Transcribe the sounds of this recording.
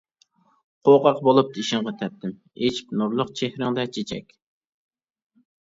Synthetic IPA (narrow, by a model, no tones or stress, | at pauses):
qʰoqɑqbolˠup̚d̪iʃɪŋʁɑt̪ʰɛp̚t̪ʰɪm | et͡ʃpnuɾlˠʊqt͡ʃʰehɾɪŋd̪ɛt͡ʃʰet͡ʃʰɛ̰kʲ